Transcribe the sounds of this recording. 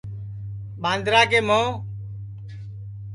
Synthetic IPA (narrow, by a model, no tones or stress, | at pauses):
ɓãːnd̪ɾaːkeːmõː